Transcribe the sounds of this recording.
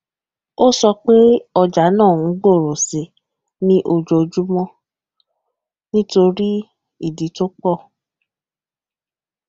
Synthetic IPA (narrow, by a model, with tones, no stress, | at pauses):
o˦sɔ˧k͡pe˦ɔ˧d͡ʒa˨˦nãː˦˨˦ɡ͡bo˦˨ɾo˨si˨˦ | nĩ˦ʔo˧d͡ʒo˧d͡ʒu˦mɔ̃˦ | nĩ˦to˧ɾi˦ | i˦˨di˨˦to˦k͡pɔ˦˨